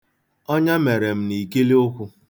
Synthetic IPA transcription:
ɔ˦ɲa˦me˨ɾe˨m̩˦ni˨ki˦li˦ʊ˦kʷʊ˦

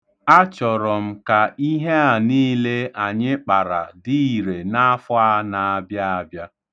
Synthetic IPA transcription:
a˦t͡ʃɔ˨ɾɔ˨m̩˦ka˨i˦ɦe˦a˨niː˦le˦a˨ɲɪ˦k͡pa˨ɾa̰˨di˦i˨ɾe˨na˦fʊ˦a˦na˨a˦bja˦a˦bja˦

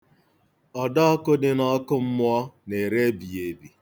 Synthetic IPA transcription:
ɔ˨da˦ɔ˦kʊ˦dɪ˨nɔ˦kʊ˦m̩˦mʊ˦ɔ˦ne˨ɾe˦bi˨e˨bi˨

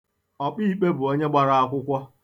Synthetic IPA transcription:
ɔ˨k͡pi˦i˨k͡pe˦bʊ˨o˦ɲe˦ɡ͡ba˦ɾa˨a˦kʷʊ˦kʷɔ˦

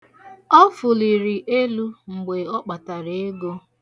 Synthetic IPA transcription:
ɔ˦fʊ˨li˨ɾi˨ʔe˦lu˦ŋ͡m̩˨ɡ͡be˨ɔ˦k͡pa˨ta˨ɾe˨e˦ɡo˦

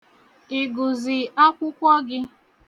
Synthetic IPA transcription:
i˨ɡʊ˨zɪ˨a˦kʷʊ˦kʷɔ˦ɡɪ˦

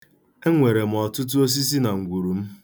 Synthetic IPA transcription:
e˦ŋʷe˨ɾe˨m̩˨ɔ˨tʊ˦t̬ʊ˦o˦s̬i˦s̬i˦na˨ŋ̩˨ɡʷu˨ɾu˨m̩˦

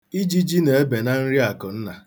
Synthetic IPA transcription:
i˦d͡ʒi˦d͡ʒi˦ne˨e˦be˨na˦n̩˦ɾi˦a˨kʊ˨n̩˦na˨

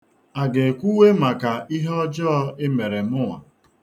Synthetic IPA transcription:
a˨ɡe˨kʷu˦we˦ma˨ka˨i˦ɦɔ˦d͡ʒɔ˦ɪ˦me˨ɾe˨mʊ˦ŋʷa̰˨

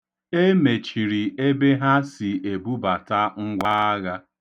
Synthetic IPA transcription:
e˦me˨t͡ʃi˨ɾi˨e˦be˦ɦa˦si˨e˨bu˦ba˨ta˦ŋ̩˦ɡʷa˦a˦ɣa˦

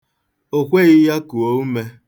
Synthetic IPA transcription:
o˨kʷe˦ɣɪ˦ja˦ku˨o˦u˦me˦

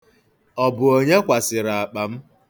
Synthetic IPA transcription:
ɔ˨bʊ˨o˦ɲe˦kʷa˨sɪ˨ɾa˨a˨k͡pa˨m̩˦

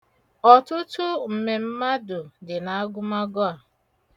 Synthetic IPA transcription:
ɔ˨tʊ˦tʊ˦m̩˨me˨m̩˦ma˦dʊ˨dɪ˨na˨a˦ɡʊ˦ma˦ɡɔ˦a˨

